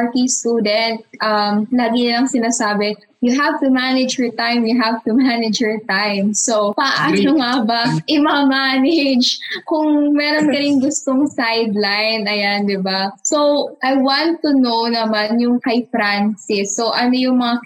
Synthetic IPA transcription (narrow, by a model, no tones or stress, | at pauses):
ɹk̪ist̪uːd̪ɛnt̪̚ʔɐmlaːɡɪnɪlɐŋsɪnaːsaːbɛ | jʊɦavt̪ʊmanɪd͡ʒjɛɹt̪ãjmjʊɦavt̪ʊmanɪd͡ʒjɛɹt̪ajmsopɐʔanoŋabɐʔɪmɐŋamanɪd͡ʒkʊŋmɛːɾonkɐnɪŋɡʊst̪oŋsajd̪lajnɐjand̪ɪbasowʔajwant̪ːʊnownɐmanjʊŋkɐjfɾansɪsːoʔɐno̞jʊŋmɐŋa